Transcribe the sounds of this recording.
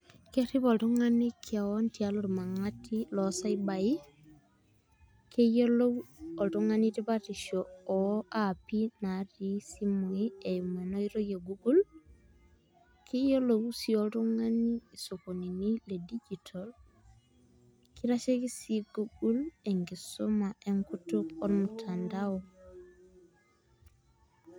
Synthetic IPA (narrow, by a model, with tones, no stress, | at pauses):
ke˦ɾi˦pɔ˨ltu˦ŋa˦ni˦kʰa˨wɔ˦nti˨aloɾma˨ŋa˦ti˦lɔsa˦iba˨i˦ | ke˦jo˦lo˦wɔ˨ltu˦ŋa˦ni˦ti˦pa˦ti˨ʃoɔ˨ʔa˦pi˦na˨ɾi˦si˦mu˨i˦e˨ju˨me˨no˦iɾo˦je˨ɡu˦ɡu˦l | kejolowusioltoŋaniː˨sokoni˨niledid͡ʒitʰol | kiɾaʃeki˦siɡuɡuleŋɡisomaʔeŋkutukoɾmutʰandawo